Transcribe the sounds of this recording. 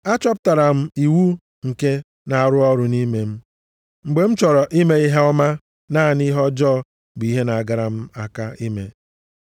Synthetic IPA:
a˦t͡ʃɔ˦p̬ta˨ɾa˨m̩˦i˨wu˦ | ŋ̩˨ke˦ | na˨a˨ɾʊ˦ɔ˦ɾʊ˨ni˦me˨m̩˦ | ŋ͡m̩˨ɡ͡be˨m̩˦t͡ʃɔ˨ɾɔ˨ʔi˦me˦i˦ɦe˦ɔ˦ma˦ | naː˦˨ni˦ɦɔ˦d͡ʒɔː˦˨ | ɡ͡bi˦ɦe˦na˨a˨ɡa˨ɾa˨m̩˦a˦ka˦i˦me˨

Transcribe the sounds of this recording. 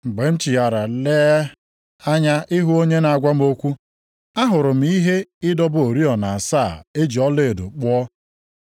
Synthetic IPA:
ŋ͡m̩˨ɡ͡be˨m̩˦t͡ʃi˨ja˨ɾa˨le˦ | a˦ɲa˦ʔɪ˦ɦu˦o˦ɲe˦na˨a˨ɡʷa˦m˦o˦kʷu˦ | a˦ɦʊ˨ɾʊ˨m̩˨˦i˦ɦe˦ɪ˦dɔ˦bʊ˦o˨ɾi˦ɔ˨na˨a˨saː˦˨e˦d͡ʒi˨ɔ˦le˦˨e˨do̰˨k͡pɔ˦ɔ˦

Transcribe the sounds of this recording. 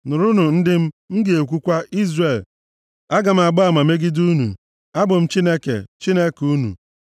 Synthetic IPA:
nʊ˨ɾʊ˦nʊ˨n̩˦dɪ˦m̩˦m̩˦ɡi˨e˨k̬ʷu˦kʷa˦ʔi˦zre˨l | a˦ɡa˨m̩˦a˨ɡ͡bʊ˦a˨ma˨me˦ɡɪ˦du˦nṵ˨ | a˦bʊ˨m̩˦t͡ʃi˦ne˦kḛ˨t͡ʃi˦ne˦ku˦nṵ˨

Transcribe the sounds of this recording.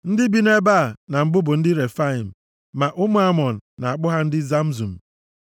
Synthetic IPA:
n̩˦dɪ˦bi˦ne˦ba˦˨na˨m̩˦bʊ˦bʊ˨n̩˦dɪ˦ɾe˨fa˦i˨m̩˨ | ma˨ʔʊ˦mʊ˨a˦mɔ˨n̩˨na˨a˨k͡pʊ˦ɦa˦n̩˦dɪ˦za˦m̩˦zu˨m̩˨

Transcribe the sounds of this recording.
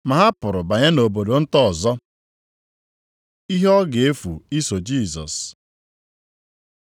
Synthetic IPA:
ma˨ɦa˦pʊ˨ɾʊ˨ba˨ɲa˦no˨bo˨do˨n̩˦tɔ˦˨zɔ˦ | i˦ɦɔ˦ɡe˦fṵ˨i˦so˨d͡ʒi˦˨zɔ̰˨s

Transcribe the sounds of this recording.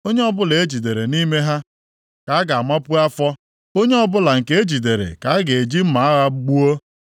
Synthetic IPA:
o˦ɲe˦ɔ˦bʊ˦le˨e˦d͡ʒi˨de˨ɾe˨ni˦me˦ɦa˦ | ka˨a˦ɡa˨a˨ma˦pʊ˦a˦fɔ˦ | o˦ɲe˦ɔ˦bʊ˦la˨ŋ̩˨ke˦e˦d͡ʒi˨de˨ɾḛ˨ka˨˦a˦ɡe˨d͡ʒi˦m̩˦ma˨a˦ɣa˦ɡ͡bu˦o˦

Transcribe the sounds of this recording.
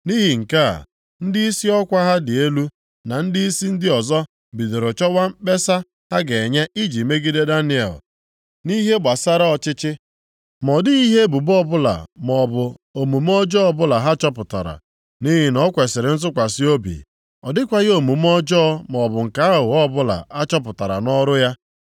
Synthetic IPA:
ni˦ɦi˨ŋ̩˨ka̰˦˨ | n̩˦dɪ˦i˦si˦ɔ˦kʷa˦ɦa˦dɪ˨e˦lu˦ | na˨n̩˦dɪ˦i˦si˦n̩˦dɪ˦ɔ˨zɔ˦ | bi˨de˨ɾo˨t͡ʃɔ˦wa˦m̩˦k͡pe˦sa˦ | ha˦ɡe˨ɲa˦ʔi˦d͡ʒi˨me˦ɡi˦de˦da˦nɪ˦ḛ˨l | ni˦ɦe˦ɡ͡ba˨sa˦ɾa˦ɔ˨t͡ʃɪ˦t͡ʃɪ˦ | m˨ɔ˨dɪ˦i˦ɦe˦bu˨bɔ˦bʊ˦la̰˨mɔ˨bʊ˨o˨mu˨m˦ɔ˦d͡ʒɔ˦ɔ˦bʊ˦la˨ɦa˦t͡ʃɔ˦pʊ˨ta̰˨ɾa̰˨ | ni˦ɦɪ˦nɔ˦kʷe˨sɪ˨ɾɪ˨˦n̩˦zʊ˦kʷa˨sɪ˦o˦bḭ˨ | ɔ˨dɪ˦kʷa˦ɣo˨mu˨m˦ɔ˦d͡ʒɔ˦m˨ɔ˨bʊ˨ŋ̩˨ka˦a˦ɦʊ˨ɔ˦bʊ˦la̰˨a˦t͡ʃɔ˦p̬ʊ˨ta˨ɾa̰˨nɔ˦ɾʊ˦ja˦

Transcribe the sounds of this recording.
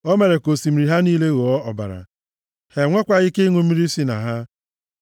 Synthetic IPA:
o˦me˨ɾe˨ko˨si˨m̩˨ɾi˨ɦa˦niː˦le˦ɣo˨ɔ˦ɔ˨ba̰˨ɾa̰˨ | he˨ŋʷe˦kʷa˨ɪ˦ke˦i˦ŋu˦m̩˦mi˦ɾi˦si˦na̰˨ɦa˦

